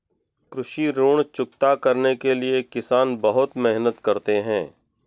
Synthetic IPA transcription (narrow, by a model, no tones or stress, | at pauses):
kɾʊʃiɾoːɽ̃t͡ʃʊk̚t̪akɐɾnekeliekɪsaːnbɐɦʊt̪mɛɦnət̪kɐɾt̪eɦɛ̃ː